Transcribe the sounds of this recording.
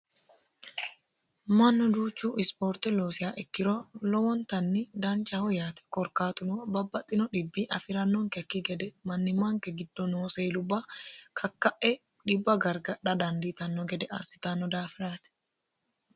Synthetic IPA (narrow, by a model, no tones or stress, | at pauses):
mɐnːɔd̪uːt͡ʃːuːɪspoːɾt̪ɛloːsɪjaːʔɛkːɪɾolɔwɔnt̪ɐnːɪd̪ɐnt͡ʃɐhɔjaːt̪ɛ̥kɔɾkaːt̪ʊnobɐbːɐt̪ʼːɪnɔᶑɪbːiːʔɐfɪɾɐnːɔŋkɛkːiɡɛd̪ɛmɐnːɪmaŋkɛɡɪd̪ːɔnoːseːlʊbaːkʰɐkːɐʔɛ | ᶑɪbːɐɡɐɾɡɐᶑɐd̪ɐnd̪it̪ɐnːɔɡɛd̪ɛʔɐ̰sːɪ̥t̪anːɔd̪aːfɪɾaːt̪ɛ̥